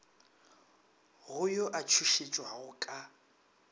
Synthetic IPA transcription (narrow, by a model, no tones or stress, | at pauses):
ɣʊjɔʔat͡ʃʰuʃet͡ʃʼwaɣʊkʼa